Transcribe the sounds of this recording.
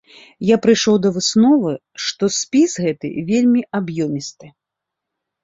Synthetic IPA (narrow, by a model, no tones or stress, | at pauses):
japɾɨjʂɔwd̪ɐvɨsnɔvɨ | ʂt̪ɔsʲpʲisɣɛt̪ɨ̰vʲelʲmʲiʔabjɔmʲist̪ɨ